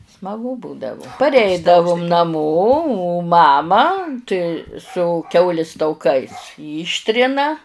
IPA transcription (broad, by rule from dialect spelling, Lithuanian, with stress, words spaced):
smɐˈɡʊ ˈbuːdɐʋʊ pɐrʲˈɛɪdɐʋʊm nɐˈmoː oː ˈmɑːmɐ tɐɪ sʊ ˈkʲɛʊlʲɪs tɐʊˈkɐɪs ˈiːʃʲtʲrʲɪnɐ